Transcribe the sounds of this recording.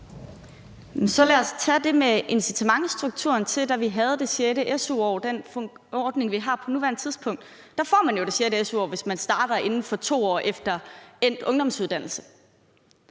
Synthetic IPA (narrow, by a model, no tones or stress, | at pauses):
mensɒ̽læɐst͡sʰæd̥e̝meʔe̝nsit͡sʰæmɑ̈ŋəsd̥ʁuɡ̥̚t͡sʰṵɐnt͡sʰe̝ld̥æʋiɦæð̞̩ˠd̥e̝ɕjeɾəʔesuɒʊd̥en̰ | ɒːd̥ne̝ŋʋiɦɑ̈ːpʰɒ̽nuʋæɐnət͡sʰiðˠspʰɔ̽ŋ̰d̥ː | ɑ̈fɒ̰ːmænjo̝d̥e̝ɕjeɾəesuɒ̰ːʋe̝smænsd̥ɑ̈ːd̥ɐʔe̝nn̩fɒ̽t͡sʰo̝̰ːɒ̰ːʔefd̥ɐen̰d̥ɔ̽ŋd̥ɒ̽msuð̞ˠd̥æn̰l̩sə